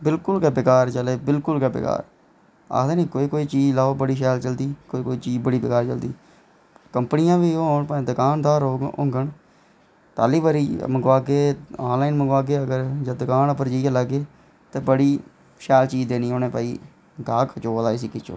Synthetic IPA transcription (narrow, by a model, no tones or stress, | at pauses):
bɪlkʊlɡabɪkaːɾt͡ʃəleːbɪlkʊlɡabɪ̰ka̰ːɾ | a̰ːd̪eːniːkoːiːkoːiːt͡ʃiːd͡ʒlaːoːbəɽiːʃ̬ɛːlt͡ʃəld̪iːkoːiːkoːiːt͡ʃiːd͡ʒbəɽiːbɪkaːɾt͡ʃəld̪iː | kəmpənɪjãːʋiːoːnpaːẽːd̪əkaːnd̪aːɾoːɡʊ̰̃ŋɡəɳ | t̪aːliːbaɾiːməɡʋaːɡeːaːnlaːiːnməɡaːɡeːəɡəɾd͡ʒaːd̪əkaːnəpəɾd͡ʒialəɡeː | t̪eːbəɽiː | ʃɛːlt͡ʃiːd͡ʒd̪eːniːoːnẽːpaːḭː | ɡaːkʰt͡ʃoːd̪aːɪs̬iːkɪt͡ʃʰo̰ː